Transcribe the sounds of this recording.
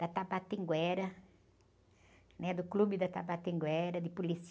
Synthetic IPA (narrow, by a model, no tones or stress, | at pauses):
d̪̥ɐt̪apat̪ĩŋɡwɛɾɐ | nɛd̪ʊklubɪd̪ɐt̪apat̪ĩŋɡwɛɾɐd̪ɪpulis